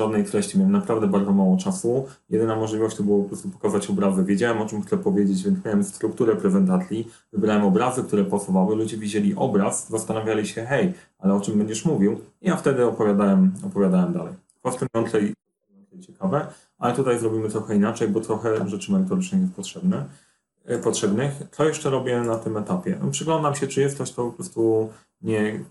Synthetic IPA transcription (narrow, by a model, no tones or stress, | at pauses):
ʐad̪nɛjt̪ɾɛɕt͡ɕimʲjawɛmnapɾavd̪ɛbaɾd̪zɔmawɔt͡ʂasu | jɛd̪ɘnamɔʐlʲivɔɕt͡ɕt̪ɔbɨwɔpɔpɾɔst̪upɔ̥kazat͡ɕɔbɾazɘvʲjed͡ʑawɛmɔt͡ʂɘmxt̪sɛpɔvʲjed͡ʑet͡ɕvʲjɛnt̪mʲjawɛmst̪ɾukt̪uɾɛpɾɛzɛnt̪at̪sʲi | vɘbɾawɛmɔbɾazɘkt̪uɾɛpasɔvawɘlud͡ʑɛvʲid͡ʑɛlʲiʔɔbɾaszast̪anavʲjalʲiɕɛxɛj | alɛɔt͡ʂɘmbɛɲd͡ʑɛʂmuvʲiwijaft̪ɛd̪ɘɔpɔvʲjad̪awɛmɔpɔvʲjad̪awɛmd̪alɛj | p̪ɔst̪ɛmjɔnt̪sɛj̪ | jɔnt̪sɛjt͡ɕɛkavɛ | ʔa̰lɛt̪ut̪ajzɾɔbʲimɘt̪ɾɔxɛinat͡ʂɛjbɔt̪ɾɔxɛʐɛt͡ʂɘmɛɾɘt̪ɔɾɘt͡ʂnɛxjɛst̪̚pɔt̪ʂɛbnɛ | pɔtʂɛbnɘxt̪sɔjɛʂt͡ʂɛɾɔbʲjɛnat̪ɘmɛt̪apʲjɛ̰pʂɘɡlɔnd̪amɕɛt͡ʂɘjɛst̪ɔɕt̪ɔpɔpɾɔst̪u | ɲɛ